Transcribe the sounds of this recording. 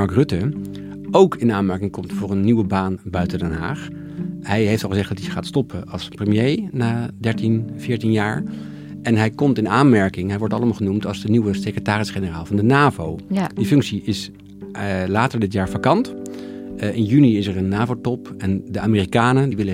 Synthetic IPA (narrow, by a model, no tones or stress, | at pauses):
ɑɹkrɵtə | owkɪnaːnmɛɹkɪŋkɔmtfʊːɹənːiʋəbaːnbœɥtəndɛnɦa̰ːχ | ɦɛjɦejftɑlˠχəzɛχdɑtiχaːtstɔpʰəɑlˠsprəmjejnaːdɛɹtinv̥ɪːɹtinjaːɹ | ɛnɦɛjkɔmtɪnaːnmɛɹkɪŋɦɛjʋɔɹtɑləmaːlˠχənumtɑlˠzdəniwəsekrətaːrɪsχenəraːlˠvɑndənaːvowdifɵŋksiɪs | laːtəɹdɪtjaːɹfakɑnt | ɪnjyniɪsəɹənːaːvowtɔpɛndəaːmiːrikaːnədiʋɪlə